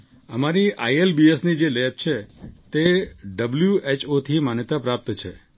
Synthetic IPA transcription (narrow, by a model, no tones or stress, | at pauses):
əmaɾiʔaielbiesnid͡ʒelep̚t͡ʃʰet̪eɖəbljuet͡ʃot̪ʰimanjət̪apɾap̚t̪t͡ʃʰe